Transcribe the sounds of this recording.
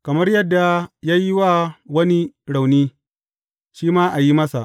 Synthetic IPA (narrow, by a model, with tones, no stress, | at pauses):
kɐ˨mɐ˦rjɐ˦dːa˨jaː˦ji˦waː˦wɐ˦ni˦ɽa˨wniː˦ | ʃiː˦maː˦ʔa˨ji˦mɐ˦sa˨ʔ